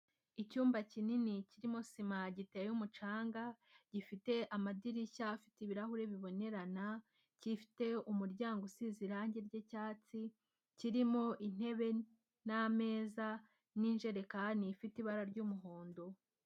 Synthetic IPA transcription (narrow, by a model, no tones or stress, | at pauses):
icuːmbacininiciɾimo̞simaɟitejumut͡ʃaːŋɡa | ɟ̥ifite̞ʔamadiɾiçafitiβiɾahuɾe̞βiβo̞ne̞ɾana | cifi̥te̞umuɾɟaːŋɡosiziɾaɲɟeɾɟecaːt͡si | ciɾimo̞ʔin̥e̞βe̞ | name̞ːza | niːnʒe̞ɾe̞kanifitiβaɾaɾɟuːmuɦo̞ːndo̞